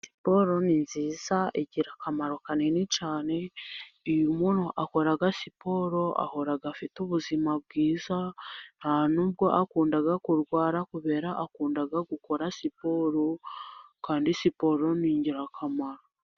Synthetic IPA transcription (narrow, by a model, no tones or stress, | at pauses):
si̥po̞ɾo̞ninziːzaʔeɟiɾakamaɾo̞kanenit͡ʃaːne̞ijumunhoʔako̞ɾaɡasipo̞ːɾo̞ʔa̰ho̞ɾaɡafituβuzimab̚ɡiːzan̥hanuːb̚ɡo̞ʔakuːndaɡakuɾɡwaːɾakuβe̞ːɾaʔakuːndaɡaɡuko̞ɾasipo̞ɾokaːndisipo̞ɾo̞niːɲɟiɾakʰamaɾo